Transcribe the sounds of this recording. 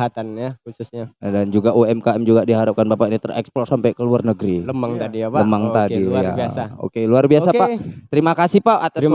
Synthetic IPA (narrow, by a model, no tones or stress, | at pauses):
at̪anjausʊsɲadand͡ʒuɡaʔuɛmkaɛmd͡ʒuɡadiɦaɾap̚kanbapainit̪ərɛ̰kspɔsampakəluarnəɡɾiləmaŋt̪adiaaəmaŋt̪adija̰iaao̰keluarbiasapat̪əɾimakasipaʔat̪a